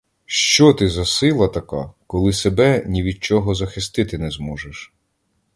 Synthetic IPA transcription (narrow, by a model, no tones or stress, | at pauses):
ʃt͡ʃɔt̪ɪzɐsɪlˠɐt̪ɐkakɔlˠɪsebɛnʲiʋʲid̪̚t͡ʃɔɦɔzɐxɪst̪ɪt̪ɪnɛzmɔʒeʃ